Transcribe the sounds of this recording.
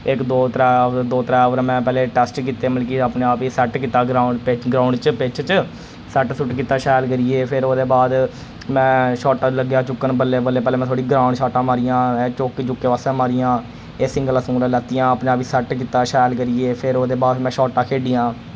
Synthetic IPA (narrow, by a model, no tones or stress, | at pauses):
ɪkd̪oːt̪ɾaːd̪oːt̪əɾaːʋɾmɛ̃ːpɛːleːʈɛːsʈkiːt̪eːməlkiaːpneːaːpiːsɛʈkiːt̪aːɡɾaːʊɖpɪɡɾaːɳɖt͡ʃpɪt͡ʃʰt͡ʃ | sɛʈsʊʈkiːt̪aːʃɛːlkəɾiːeːpʰɪɾoːd̪eːbaːd̪ | mɛ̃ːʃɔːʈãːləɡjaːt͡ʃʊkːənbəlːeːbəlːeːpɛːleːmɛ̃ːt̪ʰoːɽiːɡɾãːʊɳɖʃaːʈãːmaːɾijãːɛːt͡ʃoːkit͡ʃʊkːeːʋaːsẽːmaːɾiːjãː | eːsɪ̃ŋɡəlasũːɾaːlɛːt̪ijãːaːpneːaːpiːsɛʈkiːt̪aːʃɛːlkəɾiːeːpʰɪɾoːd̪eːbaːd̪mɛ̃ːʃɔːʈaːkʰeːɖijãː